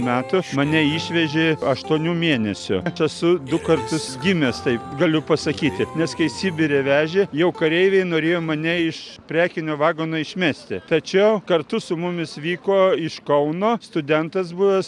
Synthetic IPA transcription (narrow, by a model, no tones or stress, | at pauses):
mʲæːt̪ʊmɐnʲɛɪʃʲʋʲɛʒʲeɐʃt̪uɔnʲuːmʲeɛnʲɛsʲʊɐsʊd̪ʊkɐrt̪ʊsɡʲɪmʲɛst̪ɐɪpɡɐlʲʊpɐsɐkʲiːt̪ʲɪnʲɛskɐɪsʲɪbʲɪɾʲeːʋʲæːʒʲejɛʊkɐɾʲɛɪʋʲɛɪnoːɾʲeːjoːmɐnʲɛɪʃpʲɾʲæːkʲɪnʲoːʋɑːɡoːnoːɪʃʲmʲæːsʲt̪ʲɪt̪ɐt͡ʃʲɛʊkɐrt̪ʊsʊmʊmʲɪsʋʲiːkoːɪʃkɐʊnoːst̪ʊd̪ʲɛnt̪ɐsbʊʋɛ